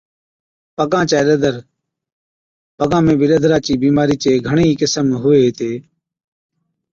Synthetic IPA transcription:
pəkãːt͡ʃaːləd̪əɾ | pəɡãːmẽːbɪləd̪ʱɾaːt͡ʃiːbiːmaːɾiːt͡ʃeːɡʱəɳiːkɪsəmɦʊʋeːɦt̪eː

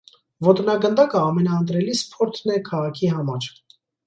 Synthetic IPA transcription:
vɔt̪nɑɡənd̪ɑkəɑmɛnɑənt̪̬ɾɛlispʰɔɾt̪ʰnɛkʰɑʁɑkʰiɦɑmɑɾ

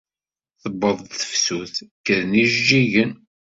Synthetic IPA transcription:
θəbːəðˤθθə̥fsuθkəðniʒd͡ʒiʝən

